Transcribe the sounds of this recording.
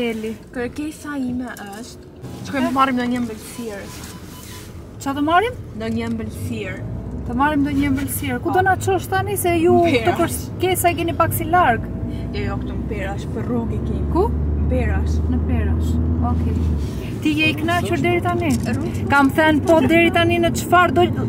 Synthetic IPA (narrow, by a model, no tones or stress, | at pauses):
ɛlikəɾkɛsaimɛʔəʃt̪ | t͡ʃkɔjmmaɾimd̪ɔɲəmbəlsɛɾ | t͡ʃat̪əmaɾimnd̪ɔɲəmbəlsɛɾt̪əmaɾimnd̪ɔɲɛmbəlsjɛɾkud̪ɔnat͡ʃɔʃt̪anisɛjut̪ukə | kɛsaikɛnipaksilaɾɡ | ɛɔkt̪umpɛɾaʃpəruɡikikupɛɾaʃnəpɛɾaʃɔkɛ | t̪ijɛiknacuɾd̪ɛɾit̪ani | kamθɛnpɔd̪ɛɾit̪aninət͡ʃəfaɾd̪ɔ